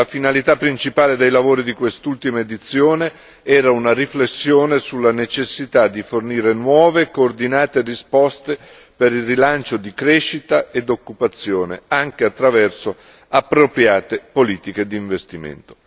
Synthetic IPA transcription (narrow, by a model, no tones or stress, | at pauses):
lafinalit̪apːɾint͡ʃipaːled̪ejlavoːɾid̪ikwest̪ult̪imaed̪it̪sːjoːne | ɛːɾaunariflesːjoːnesulːanet͡ʃesːit̪ad̪ːiforniːɾenwɔːvekoːrd̪inaːt̪erispɔst̪e | peɾilrːilant͡ʃod̪ikɾeʃːit̪aed̪okːupat̪sːjoːnḛaŋk̟eat̪ːɾavɛrso | apːɾopɾjaːt̪epoliːt̪iked̪iːɱvest̪imḛnt̪o̥